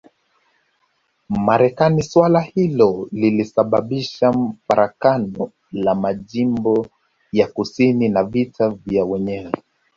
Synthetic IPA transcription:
maɾɛkaniswalahilɔlilisaɓaɓiʃam̩faɾʔakanɔ | lamaʄimbɔ | jakusininavitʰavjawɛɲɛwɛ

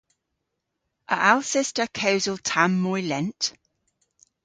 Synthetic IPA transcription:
ʔə̰ʔalˠsɪstəkʰəʊzəlˠtʰãmːɔɪlɛ̃nt

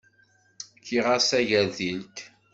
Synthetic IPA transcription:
kʰːiʁasæʝæɾðilt̪

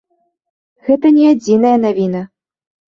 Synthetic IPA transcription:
ɣɛt̪ɐnʲɛad͡zʲinɐjɐnavʲinɐ

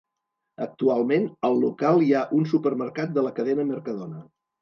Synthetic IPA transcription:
ək̚t̪ualˠmenəlˠːukalˠiaʔunsupəɾməɾkat̪̚d̪ələkəðɛnəməɾkəðonə

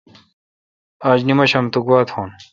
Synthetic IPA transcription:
aːd͡ʑnimɐɕɐmt̪ukwaːt̪ʰhoːn

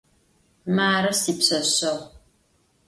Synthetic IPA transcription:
maːɾɐsiːpɕɐɕɐʁʷ

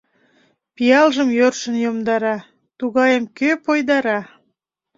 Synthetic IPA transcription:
pijɑlʒəmjørʃə̆njomd̪ɑɾɑ | t̪uɣɑjəmkøpojd̪ɑɾɑ

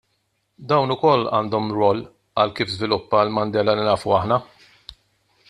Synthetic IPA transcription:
d̪ɐwnʊkɔlːɐ̰ːnd̪ɔmɾɔlː | ɐlkiːfzvɪlʊpːɐlmɐnd̪ɛːlɐlinɐːfuɐħnɐ

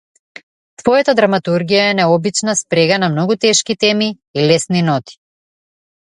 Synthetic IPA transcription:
t̪vɔjat̪ad̪ɾamat̪uɾɡijaɛnɛɔbit͡ʃnaspɾɛɡanamnɔɡut̪ɛʃkit̪ɛmi | ilɛsninɔt̪i̥

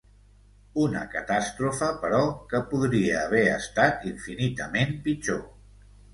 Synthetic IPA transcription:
unə̰kət̪ast̪ɾufəpəɾɔkəpuðɾiəːβɛəst̪at̪iɱfinit̪əmempit͡ʃo

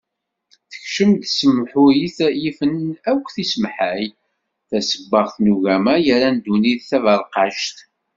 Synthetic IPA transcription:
θəçʃəmt̪səmħʊjiθjifənækʷːθisəmħæj | θæsəbːəʁθnuʝæmæjəɾænd̪uniðθævəɾˤqɑʃt̪

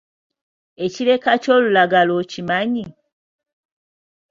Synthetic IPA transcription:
e̞cile̞kaco̞ːlulaɡalocimaɲi

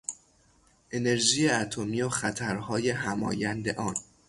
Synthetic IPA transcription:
ʔe̞ne̞ɾʒiːjeæt̪ʰomiːoxæt̪ʰæɾhɒːje̞ɦæmɒ̰ːjænd̪e̞ʔɒːn

